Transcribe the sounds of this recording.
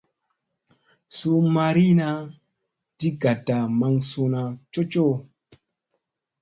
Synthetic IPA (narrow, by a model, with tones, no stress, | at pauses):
so˦ma˧ɾi˦na˧ | di˦ɡa˨da˨ma˧ŋso˧na˧t͡ʃo˦t͡ʃo˦